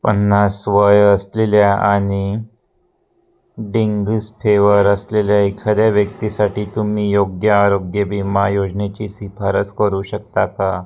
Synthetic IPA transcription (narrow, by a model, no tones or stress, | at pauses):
pənːasʋəjəsleljaʔaɽ̃i | ɖiŋɡspʰeʋəɾəsleljaikʰːad̪jaʋjək̚t̪isaʈiːt̪umiːjoɡjəːɾoɡjəbimajod͡ʑnet͡ɕiːsifaɾət͡skəɾuːɕək̚t̪aka